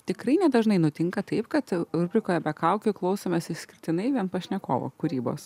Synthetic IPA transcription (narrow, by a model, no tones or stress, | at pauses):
t̪ʲɪkɾɐɪnʲɛd̪ɐʒnɐɪnʊt̪ʲɪŋkɐt̪ɐɪpkɐt̪ʊɾʲbʲɾʲɪkoːjɛbʲɛkɐˑʊkʲʊklˠɐʊsoːmʲesʲɪsʲkʲɪɾʲt̪ʲɪnɐɪʋʲiɛnpɐʃʲnʲɛkoːʋo̰kʊɾʲiːbo̰ːs